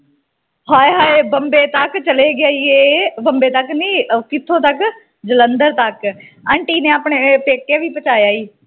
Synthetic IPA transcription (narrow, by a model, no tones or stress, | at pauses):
ɦaːeɦaːebəmbeːt̪əkt͡ʃəleːɡɪaːiːeːbəmbeːt̪əkniːkɪt̪ʰːõːt̪ək | d͡ʒələnd̪əɾt̪əkəɳʈiːneːaːpɳeːpeːkːeːʋiːpət͡ʃaːjaːiː